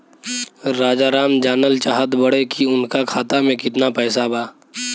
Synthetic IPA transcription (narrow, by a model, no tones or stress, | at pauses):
ɾaːd͡ʒaːɾaːmd͡ʒaːnəlt͡ʃaːɦət̪bəɽekiʊnkakʰaːt̪amẽkɪt̪napɛːsabaː